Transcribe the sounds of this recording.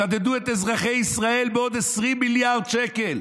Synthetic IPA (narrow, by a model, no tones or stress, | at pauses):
ad̪ɛduːɛtɛzʁaχeɪisʁaɛlbɪɔd̪ɛsʁimiljaʁdʃɛkɛl